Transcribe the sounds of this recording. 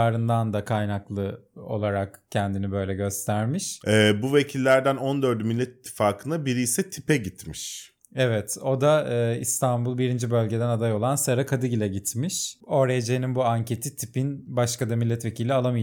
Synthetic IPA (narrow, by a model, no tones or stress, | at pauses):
aːɾɯnd̪and̪akʰajnaklˠɯo̞̰lˠaɾakcʰɛnd̪inibø̞jlʲɛɟø̞st̪ʰæɾmiʃɛːbuvecʰilʲːæɾd̪ænond̪øɾd̪ymilʲːɛt̪i̥t̪ʰːi̥faːkʰɯnabiɾijːsɛt̪ʰi̥pɛɟit̪miʃ | ɛvɛt̪ʰo̞d̪aɯːḭst̪ʰanbulˠbiɾind͡ʒibø̞lʲɟe̞d̪ænad̪ajo̞lˠansaɾakʰad̪ɯɟilʲɛɟit̪miʃo̞ɾajed͡ʒejininbuaɲcʰe̞t̪ʰit̪ʰipinbaʃkad̪amilʲːɛt̪ve̞cʰilʲialˠamɯ